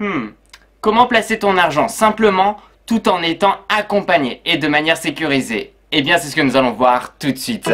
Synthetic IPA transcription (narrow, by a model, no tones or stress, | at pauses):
kɔmɑ̃plaset̪ɔ̃naʁʒɑ̃sɛ̃pləmɑ̃ | t̪ut̪ɑ̃net̪ɑ̃akɔ̃paɲeːd̪əmanjɛʁsekʲyʁizḛː | bjɛ̃sɛsə̥kənuzalɔ̃vwaʁt̪ut̪sɥit̪